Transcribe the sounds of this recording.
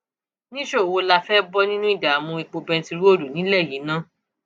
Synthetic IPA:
nĩ˦ʃo˦˨wo˧la˧fɛ˦bɔ˦nĩ˦nũ˦i˦˨da˨a˨mũ˧i˨˧k͡po˧bɛ̃˧˦ti˧ɾo˦˨du˨nĩ˨˦lɛ˦˨ji˨˦nã˦

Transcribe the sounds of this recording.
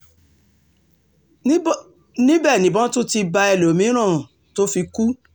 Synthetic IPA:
nĩ˦bɛ˦˨nĩ˨bɔ̃˦tu˦ti˧ba˧ɛ˨lo˨mĩ˨˦ɾ̃ã˦˨ | to˦fi˧ku˦

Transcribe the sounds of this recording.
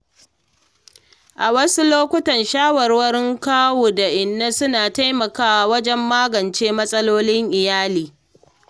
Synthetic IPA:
ʔa˨wɐ˦su˦loː˦kʷʊ˦tɐ˨nʃaː˦wɐ˨rwɐ˦ɾɪ˦ŋkaː˦woː˨da˨ʔɪ˨nːa˦sʊ˦naː˨ta˦jmɐ˨kaː˦wa˨wɐ˦d͡ʒɛ˦mːaː˦ɡɐ˨nt͡ʃeː˦mɐ˦sʼɐ˦loː˦lɪ˦ŋʔɪ˨jaː˦liː˨

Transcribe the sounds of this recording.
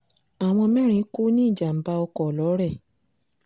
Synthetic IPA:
a˨w̃ɔ̃˧mɛ̃˦ɾ̃ĩ˧˦ku˦nĩ˦˨d͡ʒa˨m̩˨ba˧ɔ˧kɔ˨lɔ˨˦ɾɛ˦˨

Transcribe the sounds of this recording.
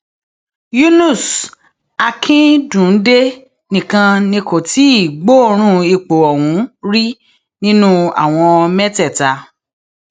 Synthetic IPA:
ju˦nu˦˨s | a˧kʰĩ˦dũ˨n̩˦de˦ | nĩ˨kã˧nĩ˧ko˨ti˨˦i˦˨ɡ͡bo˦˨ɾ̃ũ˦i˧k͡po˨ɔ˨wũ˨˦ɾi˦ | nĩ˦nũ˦a̰˦˨w̃ɔ̃˧mɛ˦tɛ˦˨ta˨˧

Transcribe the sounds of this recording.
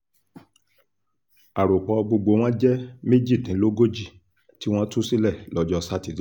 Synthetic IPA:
a˨ɾo˨k͡pɔ˨˧ɡ͡bo˧ɡ͡bo˧˦w̃ɔ̃˦d͡ʒɛ˦me˦d͡ʒi˦˨tĩ˨˦lo˦ɡo˦d͡ʒi˦˨ | ti˦w̃ɔ̃˦tu˦si˦lɛ˦˨lɔ˦d͡ʒɔ˧sa˦ti˦˨˦

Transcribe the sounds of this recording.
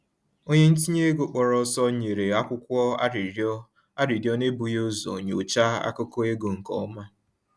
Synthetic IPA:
o˦ɲe˦n̩˦t̬i˦ɲe˦ɡo˨k͡pɔ˨ɾɔ˦sɔ˦ɲe˨ɾe˨a˦kʷʊ˦kʷɔ˦˨˦ | a˦ɾi˨djɔ˦ne˦bu˨jo˦zɔ̰˨ɲo˨t͡ʃa˦a̰˦kʊ˦kɔ˦e˦ɡo˨ŋ̩˨kɔ̰˨˦ma˦

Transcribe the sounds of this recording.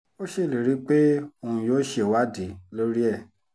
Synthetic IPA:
o˦ʃe˦˨le˨ɾi˨˦k͡pe˦o˧˨ũ˧˨joː˦ʃe˨wa˦di˨˦lo˦ɾi˦ɛ˦˨

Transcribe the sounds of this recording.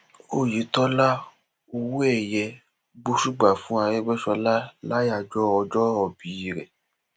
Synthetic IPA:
o˦˨ji˨˦tɔ˦la˦ | o˧wu˦ɛ˨jɛ˧ | ɡ͡bo˧˦ʃu˦ɡ͡ba˨fũ˨˦a˧ɾe˦ɡ͡bɛ˦ʃɔ˧la˦la˦ja˦˨d͡ʒɔ˦ɔ˧d͡ʒɔ˦ɔ˧˨bi˨˦i˨ɾɛ̰˨

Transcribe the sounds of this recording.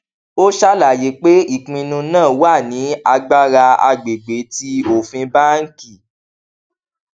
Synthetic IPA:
o˦ʃa˦la˨je˨˦k͡pe˦i˦˨k͡pĩ˧nũ˧nãː˦˨wa˦˨nĩ˨˦a˧ɡ͡ba˦ɾa˧a̰˧ɡ͡be˨ɡ͡be˨˦ti˦o˦˨fĩ˧ba˦ŋ̩˦ki˦˨

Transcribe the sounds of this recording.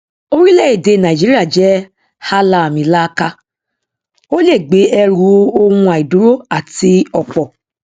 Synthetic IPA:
o˦ɾi˦lɛ˦i˦˨de˧˨nã˨i˨d͡ʒi˨˦ɾi˦a˦˨d͡ʒɛ˨˦ | ha˦la˧˨mĩ˨˦la˦ka˧ | o˦le˦˨ɡ͡be˨˦ɛ˧ɾu˨˦o˧wũ˧a˨i˨du˨˦ɾo˦a˦˨ti˧ɔ˨k͡pɔ˨

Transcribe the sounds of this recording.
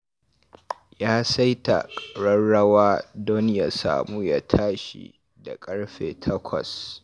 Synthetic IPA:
jaː˦sa˦jta̰˨kʼɽɐ˦nɽɐ˦waː˦dɔ˦nja˦sa̰ː˨muː˦ja˦tʰaː˦ʃḭ˨ | da˨kʼɐ˦ɽɸeː˨tʰɐ˦kʷʰɔ̰˨s

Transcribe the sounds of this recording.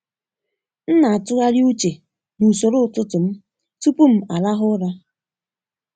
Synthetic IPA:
n̩˦na˨a˨tʊ˦ɣa˦ɾu˦t͡ʃe˨ | nu˨so˨ɾo˦˨tʊ˦tʊ˨m̩˦ | tu˦pu˦m̩˨a˨la˦ɦʊ˦ɾa˦

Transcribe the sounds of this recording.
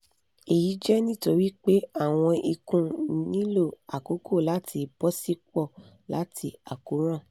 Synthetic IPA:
e˨ji˨˦d͡ʒɛ˦nĩ˦˨to˧˦ɾi˦k͡pe˦a˦˨w̃ɔ̃˧i˧kũ˧nĩ˨˦lo˦˨a˨ko˨˦kʰo˦˨la˨˦tʰi˧bɔ˦si˦kɔ˦˨ | la˨˦tʰi˧a˨ko˨˦ɾ̃ã˦˨

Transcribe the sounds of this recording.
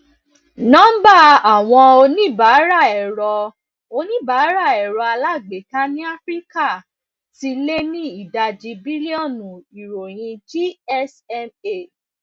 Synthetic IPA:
nã˦ba˦˨a˨w̃ɔ̃˧o˧nĩ˦˨ba˨˦ɾa˦˨ɛ˨ɾɔ˧ | o˧nĩ˦˨ba˨˦ɾa˦˨ɛ˨ɾɔ˧a˧la˦˨ɡ͡be˨ta˦nĩ˦a˦fɾi˦ka˦˨ | ti˧le˦nĩ˦i˦˨da˧d͡ʒi˧bi˦li˦ɔ˦˨nũ˨i˨ɾo˨j̃ĩ˧d͡ʒi˦ɛ˦sɛ˧me˦˨

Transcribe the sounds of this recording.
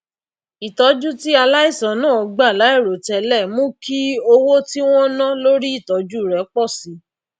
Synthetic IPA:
i˨tɔ˨˧˦d͡ʒu˦ti˦a˧la˦i˦˨sã˨˦nãː˦˨ɔ˨˧ɡ͡ba˦˨la˨˦i˦˨ɾo˨tɛ˧lɛ˦˨mũ˦ki˦o˧wo˦ti˦w̃ɔ̃˦nã˦lo˦ɾi˦i˦˨tɔ˨˦d͡ʒu˦˨ɾɛ˨˦k͡pɔ˦˨sĩ˨˦

